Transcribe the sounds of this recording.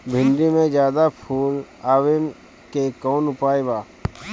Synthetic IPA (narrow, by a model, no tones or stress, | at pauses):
bʱɪ̃ɳɖimẽd͡ʒjaːd̪apʰuːlaːʋem | kekɔːnʊpaːebaː